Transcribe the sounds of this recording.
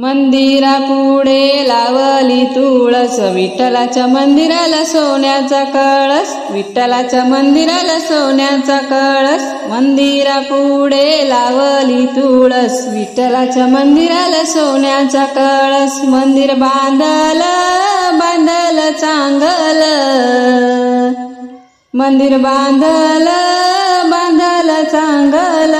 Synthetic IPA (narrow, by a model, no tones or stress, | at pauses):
mənd̪iɾapuɽelaʋəlit̪uɭəsʋiʈːəlat͡ɕjamənd̪iɾalasoɳjat͡sakəɭəs | ʋiʈːəlat͡ɕjamənd̪iɾaləsoɳjat͡sakəɭəs | mənd̪iɾapuɽelaʋəlit̪uɭəsʋiʈːəlat͡ɕjamənd̪iɾaləsoɳjat͡sakəɭəsmənd̪iɾbãnd̪ələbãnd̪ʱələt͡saŋɡələ | mənd̪iɾbãnd̪ʱələ | bãnd̪ʱələt͡saŋɡəl